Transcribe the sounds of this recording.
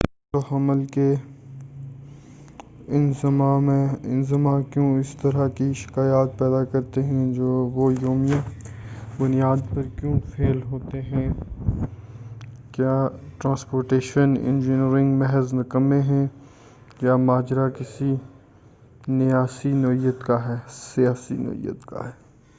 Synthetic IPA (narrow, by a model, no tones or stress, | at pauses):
t̪ohɐməlke | ɪnzmãmẽɪ̃nzɪmãkjõːɪst̪ɐɾakiʃɪ̥kaːjaːt̪̚pɛːd̪akɐɾt̪eɦɛ̃d͡ʒoːʋojoːmijã | bʊnijaːd̪pɐɾkjõːfeːlɦoːt̪eɦɛ̃ː | kjaːʈɾãːspoːɾʈeːʃənɪ̰̃nd͡ʒɪniɾɪ̃ŋɡmɛɦəznɐkəmẽɦɛ̃ | jaːmaːd͡ʒɾakɪsi | nɪjaːsinɔijət̪kaɦɛːsijaːsḭnɔ̰ɦḭjːə̰t̪ka̰ɦɛː